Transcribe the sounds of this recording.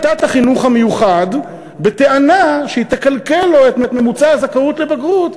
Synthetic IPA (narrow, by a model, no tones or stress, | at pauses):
t̪at̪haχinuχhamejuχad | be̞t̪e̞anaʃeit̪akalkeloet̪met̪me̞mut͡saazakaut̪le̞baɡʁut̪